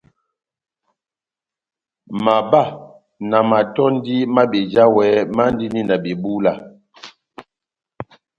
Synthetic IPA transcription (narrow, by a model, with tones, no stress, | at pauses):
ma˨ba˦˨ | na˨ma˨tɔ˦n˦di˦ma˦ɓe˨d͡ʒa˦wɛ˨˦ma˦n˦di˦ni˦na˨be˨bu˦la˦˨